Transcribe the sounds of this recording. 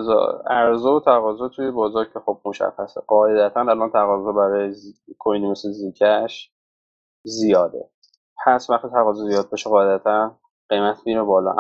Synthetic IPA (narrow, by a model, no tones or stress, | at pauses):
zɒ̰æɾzoot̪ʰæɣɒːzɒːt̪ʰujebɒːzɒːɾcʰe̞xob̚moʃæ̰xæseɢɒːʔed̪æt̪ʰænælɒnt̪ʰæɣɒːzɒːbæɾɒːjezkʰojnimesezicʰæʃ | zijɒːd̪ḛ | hæsvæχt̪it̪ʰæɣɒːzɔzijɒːd̪̚bɒʃeɣɒːed̪æt̪ʰæn | ɢ̥ejmæt̪ʰbiːmobɒːlɒ̰ʔ